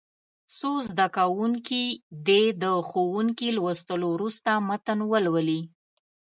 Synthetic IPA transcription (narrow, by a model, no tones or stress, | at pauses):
sozd̪akawuŋkid̪ed̪əxowuŋkilwəst̪əlowɾust̪amat̪ənwəlwəli